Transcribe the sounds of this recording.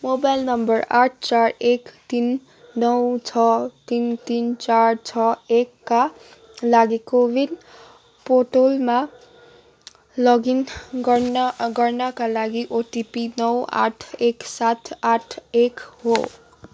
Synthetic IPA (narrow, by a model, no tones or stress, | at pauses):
mobajlnʌmbʌraʈʰt͡sarekt̪inː | ʌwt͡sʰʌt̪int̪int͡sart͡sʰʌekːa | laɡekowin | poʈolma | lʌɡin | ɡʌrnʌkalaɡiʔoʈipinʌwa̰ʈʰeksat̪ʰaʈʰekɦo